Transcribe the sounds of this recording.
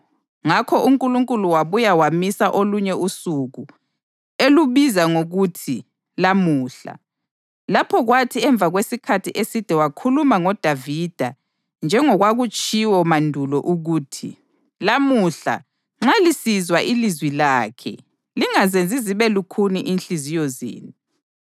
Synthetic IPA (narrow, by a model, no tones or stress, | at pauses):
ŋakʰɔʔuŋkʼuluŋkʼuluwaβujawamisaʔoluɲɛusuɣu | eluβizaŋoɣutʰi | lamuːɬa̰ | lapʰɔɣwatʰiɛɱb̪vʱaɣwesikʰatʰiʔesid̥ʱɛwakʰulumaŋɔd̥ʱavid̥ʱa | nd͡ʒʱɛŋɔɣwaɣut͡ʃʼiwɔmandʱulɔʔuɣuːtʰḭ | lamuɬa̰ | ŋ͡ǁalisizwaʔilizwilaːkʰɛ̰ | liŋazend͡zʱiziβɛlukʰuniʔinɬizijɔzḛːnu